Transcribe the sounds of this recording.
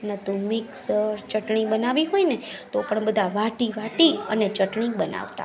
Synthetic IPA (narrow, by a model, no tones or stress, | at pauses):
nət̪umɪksəɾt͡ʃəʈɳibənaʋiɦoinet̪opəɳbəd̪ʱaʋaʈiʋaʈiənet͡ʃəʈɳibəna̰ʋt̪a̰